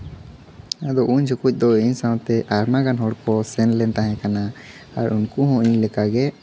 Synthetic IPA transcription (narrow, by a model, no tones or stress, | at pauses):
ad̪ɔʔuɲd͡ʒʱɔkuc̚ˀd̪ɔiɲsawt̪ɛʔaɾmaɡanɦɔɽkɔsɛnlɛnt̪aɦɛ̃kana | aɾunkuɦɔ̃iɲlɛkaɡɛ